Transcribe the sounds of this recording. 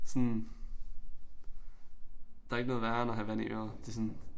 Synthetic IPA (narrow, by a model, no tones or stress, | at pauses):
sɔn | d̥ɑ̈e̝ɡ̥noːð̩ˠʋæɐnɒɦæʋæniʔø̰ːɐd̥e̝sɔn